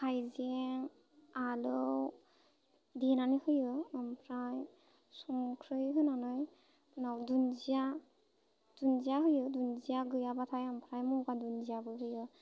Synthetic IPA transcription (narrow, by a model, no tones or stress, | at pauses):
kʰajzeŋ | alɯw | dinanɯhɯjɯːmpʰɾaj | sɔŋkʰɾɯjɦɯnanɯj | nawdunzija | d̥unzijaɦɯjɯdunzijaɡɯjabatʰajampʰɾajmumkadunzijabɯjɦɯjɯ